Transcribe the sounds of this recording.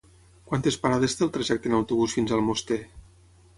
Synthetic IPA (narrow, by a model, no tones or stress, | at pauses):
kwant̪espaɾaðest̪elˠt̪ɾaʒɛk̚t̪enawt̪uβusfinzəlˠmost̪e